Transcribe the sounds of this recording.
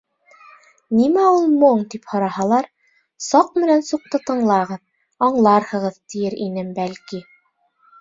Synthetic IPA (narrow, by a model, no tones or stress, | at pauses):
nimæulˠmoɴt̪iphŏɾɑhɑlˠɑɾ | sɑq̚mɘ̆nænsuq̚t̪ɤt̪ɤ̆ɴlˠɑʁɤð | ɑɴlˠɑɾhɤ̆ʁɤðt̪ɘ̆jɘɾʔinɘmbælki